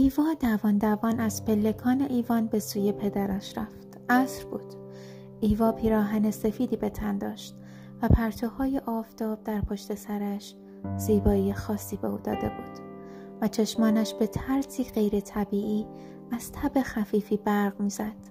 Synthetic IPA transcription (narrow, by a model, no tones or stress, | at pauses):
ʔiːvɒːd̪ævɒːnd̪ævɒːnæz̥pe̞lːe̞kʰɒːne̞ʔiːvɒːnbe̞suːje̞pʰe̞d̪æɾæʃɾæft̪ʔæsɾb̥uːd̪̥ | ʔiːvɒːpʰiːɾɒːɦæne̞se̞fiːd̪iːbe̞t̪ʰænd̪ɒːʃt̪ | væpʰæɾt̪ʰohɒːjeʔɒːvt̪ɒːb̥̚d̪æɾpʰoʃt̪e̞sæɾæʃ | z̥iːbɒːijexɒːsːiːbe̞uːd̪ɒ̰ːd̪e̞buːd̪̥ | væt͡ʃʰe̞ʃmɒːnæʃb̥e̞t̪ʰæɾsiːɢejɾe̞t̪ʰæbiːʔiː | æz̥t̪ʰæbe̞xæfiːfiːbæɾɣmiːz̥æd̪̥